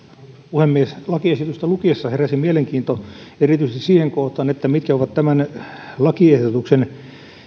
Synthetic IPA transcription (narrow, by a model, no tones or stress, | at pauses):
uhemːieslɑkiesit̪yst̪ælukiesːɑheræsimieleŋkiːnt̪oerit̪yisest̪isiːheŋkoht̪ɑːnet̪ːæmit̪kæoʋɑt̪t̪æmænlɑkiehdot̪uksen